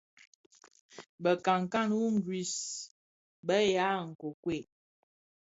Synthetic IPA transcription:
bə˨ka˨ŋ˨ka˦nwu˦ŋ̩˦ɡwi˨s | bə˦ja˨˦ŋ̩˨ko˨kwe˦˨

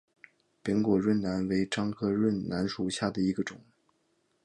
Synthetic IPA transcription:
pi˧˥ŋkwɔ˨˩ɻwə˥˩nna˧˥nwe˧˥ɪʈ͡ʂɑ˥ŋkʰɤ˥ɻwə˥˩nna˧˥nʂu˨˩ɕja˥˩d̪ə˩i˧˥ɡə˧ʈ͡ʂʊ˨˩˦ŋ

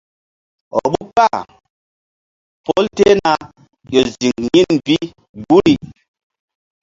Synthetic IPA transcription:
ɔ̰˨ɓu˦pa˦˨ | po˦lte˦na˨ | jo˨zi˨ŋɲi˦nvi˦ | ɡu˦ɾi˦˨

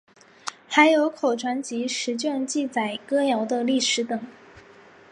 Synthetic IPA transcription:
xa˧˥ɪjo˧˥ʊkʰo˨˩ʊʈ͡ʂʰwa˧˥nt͡ɕi˧˥ʂɻ̩˧˥t͡ɕɥɛ˥˧nt͡ɕi˥˩t͡sa˨˩ɪkɤ˥jɑ˧˥ʊd̪ə˧li˥˩ʂɻ̩˧˥t̪ɤ˨˩˦ŋ

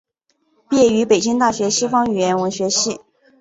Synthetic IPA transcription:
pjɛ˥˩y˧˥pe˨˩ɪt͡ɕi˥ŋt̪a˥˩ɕɥɛ˧˥ɕi˥fɑ˥ŋy˨˩jɛ˧˥nwə˧˥ŋɕɥɛ˧˥ɕi˥˩

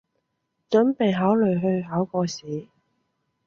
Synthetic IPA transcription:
t͡ʃɵ˨˥npe˨jɦaː˨˥wlɵ˨ɥɦɵ˧ɥɦaː˨˥wkɔː˧siː˨˥

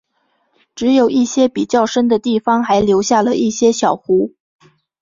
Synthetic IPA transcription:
ʈ͡ʂɻ̩˧˥jo˨˩ʊi˥˩ɕjɛ˥pi˨˩t͡ɕjɑ˥˩ʊʂə˥nd̪ə˨t̪i˥˩fɑ˥ŋxa˧˥ɪljo˧˥ʊɕja˥˩lə˩i˥˩ɕjɛ˥ɕjɑ˨˩ʊxu˧˥

